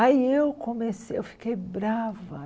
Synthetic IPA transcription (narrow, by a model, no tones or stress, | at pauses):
aiewkomesewfi̥kejbɾavɐ